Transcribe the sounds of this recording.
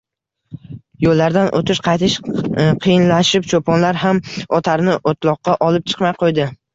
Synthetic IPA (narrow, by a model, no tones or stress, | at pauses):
jolːaɾd̪anʔo̰t̪ʰɪʃqʰɑjt̪ʰɪʃqʰɨjɪnlaʃɪpt͡ʃʰopɒnlaɾɦamɒt̪ʰaɾnɪʔot̪lˠɒqːɑʔɒlɪp̚t͡ʃʰɨ̥qmajqʰojd̪ɪ